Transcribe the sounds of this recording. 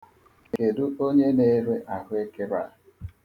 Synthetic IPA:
ke˨du˦o˦ɲe˦ne˦ɾe˦ʔa˨ɦʊ˦e˦kɪ˦ɾa̰˨

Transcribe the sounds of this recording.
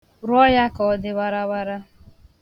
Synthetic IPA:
ɾɔ˦ja˦kɔ˨ɔ˦dɪ˦wa˦ɾa˦wa˦ɾa˦

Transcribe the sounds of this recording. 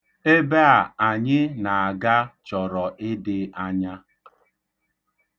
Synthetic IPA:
e˦be˦a˨a˨ɲɪ˦na˨a˨ɡa˦t͡ʃɔ˨ɾɔ˨ʔɪ˦dɪ˦a˦ɲa˦

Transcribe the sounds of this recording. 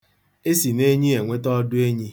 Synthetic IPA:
e˦si˨ne˦ɲi˦e˨ŋʷe˦tɔ˦dʊ˦e˦ɲi˦

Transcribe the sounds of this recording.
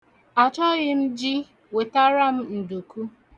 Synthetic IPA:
a˨t͡ʃɔ˦ɣɪ˦m̩˦d͡ʒi˦ | we˨ta˦ɾa˦m̩˦n̩˨du˨ku˦

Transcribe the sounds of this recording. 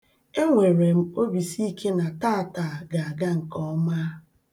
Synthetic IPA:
e˦ŋʷe˨ɾe˨m̩˦o˦bi˨si˦kʰe˦na˨ta˦˨ta˨ɡa˨a˨ɡa˦ŋ̩˨kɔ˦ma˦

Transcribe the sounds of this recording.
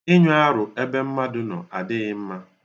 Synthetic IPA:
ɪ˦ɲʊ˦a˦ɾʊ˨e˦be˦m̩˦ma˦dʊ˦nɔ̰˨a˨dɪ˦ɣɪ˦m̩˦ma˦

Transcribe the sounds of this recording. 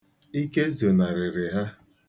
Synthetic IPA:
i˦ke˦zo˨na˨ɾɪ˨ɾɪ˨ɦa˦

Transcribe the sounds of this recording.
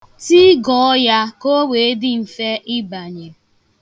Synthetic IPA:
ti˦ɡɔ˨ɔ˦ja˦ko˦we˨e˦dɪ˦m̩˨fe˦ʔɪ˦ba˨ɲe˨

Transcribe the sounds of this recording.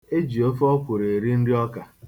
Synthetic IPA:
e˦d͡ʒi˨o˦fɔ˦kʷʊ˨ɾe˨ɾi˦n̩˦dɪ˦ɔ˦ka˨

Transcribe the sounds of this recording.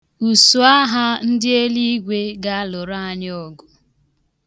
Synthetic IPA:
u˨su˨a˦ɦa˦n̩˦dɪ˦e˦li˦i˦ɡʷe˦ɡa˦a˦lo˨ɾa˦a˦ɲ˦ɔ˦ɡʊ˨

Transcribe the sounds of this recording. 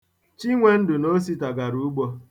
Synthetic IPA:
t͡ʃi˦ŋʷe˦n̩˦dʊ˨no˦s̬i˦ta˨ɡa˨ɾu˦ɡ͡bo˦

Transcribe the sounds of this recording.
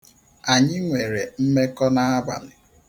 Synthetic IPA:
a˨ɲɪ˦ŋʷe˨ɾe˨m̩˦me˦kɔ˦na˦a˦ba̰˨nɪ˨

